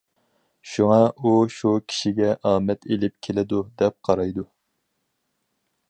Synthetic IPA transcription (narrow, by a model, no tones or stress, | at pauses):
ʃuŋɑuʃukʲʰi̥ʃiɡʲɛʔɑːmɛt̪ʰelɪp̚kʲʰelɪd̪ud̪ɛp̚qʰɑɾɑjd̪u